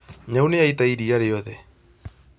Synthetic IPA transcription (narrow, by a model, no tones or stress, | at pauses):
ɲawneait̪aiɾiaɾeɔðɛ